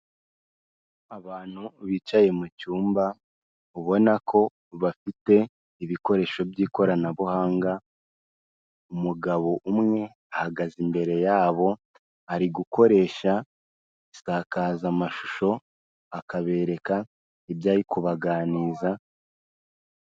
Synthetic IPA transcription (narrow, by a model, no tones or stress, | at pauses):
aβaːn̥huβiːt͡ʃaje̞mucuːmba | uβo̞nakʰo̞ | βafite̞ | iβiko̞ɾe̞ːʃo̞bjiːko̞ɾanaβuhaːŋɡa | umuɡaβo̞ʔumŋe̞ | ahaɡazimbe̞ɾe̞jaːβo̞ | aɾiɡuko̞ɾe̞ːʃa | isaːkaːzamaʃuʃo̞ | akaβe̞ːɾe̞ka | ibjaːɾikuβaɡaːniːza